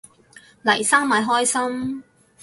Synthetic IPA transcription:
lɐ̰˨˩jsaː˥ŋmaː˨˧jɦɔː˥jsɐ˥m

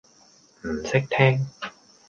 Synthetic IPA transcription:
m̩˨˩sɪ˥k̚t̪ʰɛː˥ŋ

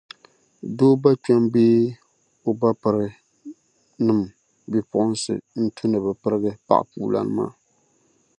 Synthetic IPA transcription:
doː˦ba˦t͡ʃa˦mbeː˦ | o˦ba˦pɨ˨ɾɨ˨ | nɨ˦m˨ | bi˦pʊ˦˨ʔʊ˦n˦sɨ̰˨n̩˦tʰu˦nɨ˨bɨ˨pɨ˦ɾɨ˦ɡɨ˦pa̰˨ʔpuː˨la̰˨nɨ˦ma̰ː˦˨

